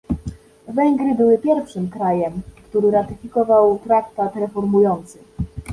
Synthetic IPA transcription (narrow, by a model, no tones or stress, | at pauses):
vɛŋɡɾɘbɘwɘpʲjɛɾfʂɘmkɾajɛmkt̪uɾɘɾat̪ɘfʲikɔvawt̪ɾakt̪at̪ɾɛfɔɾmujɔnt̪sɘ